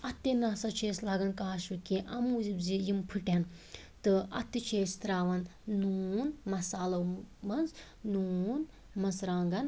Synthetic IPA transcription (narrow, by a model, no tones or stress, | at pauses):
ɐt̪ːenaːsɐt͡ʃʰeːslaːɡɐnkaːʃɨkiʔɐmuːzibzijimpʰɨʈen | t̪ɨɐ̰t̪ːit͡ʃʰeːst̪ɾaːʋɐnːunmɐsaːlɐwmɐnz | nuːn | mɐnsɾaːŋɡɐn